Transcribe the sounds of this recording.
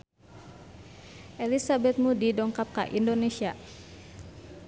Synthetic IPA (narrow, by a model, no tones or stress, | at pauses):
ʔelisabɛt̪̚mudidɔŋkap̚ka̰ʔindonesia